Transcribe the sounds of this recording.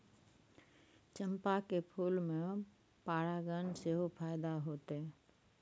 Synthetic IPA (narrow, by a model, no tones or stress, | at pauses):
t͡ʃəmpakepʰuːlmẽ | paːɽaɡənseɦopʰaːɪd̪aɦoːt̪e